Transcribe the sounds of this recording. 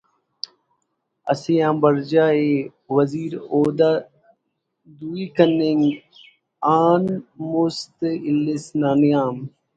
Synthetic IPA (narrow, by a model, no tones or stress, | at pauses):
ə̰siːãːbəɾd͡ʒaːeː | ʋəziːɾoːd̪aː | d̪uːiːkənːɪŋɡ | aːnmʊst̪ɪlɪsnaːnɪjaːm